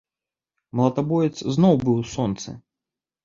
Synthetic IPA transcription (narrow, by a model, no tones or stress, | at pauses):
mɐlˠɐt̪abɔjʲɛt̪sznɔwbɨwsɔnt̪sɐ̰